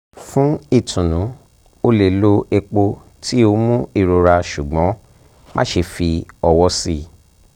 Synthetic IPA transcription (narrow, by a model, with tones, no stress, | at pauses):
fũ˦i˦˨tʰũ˨nũ˨˦ | o˧le˨lo˦e˧k͡po˧ | ti˦o˧mũ˦i˦˨ɾo˧ɾa˧ʃu˨ɡ͡bɔ̃˨˦ | mã̰˦ʃe˧fi˧ɔ˧wɔ˧˦si˦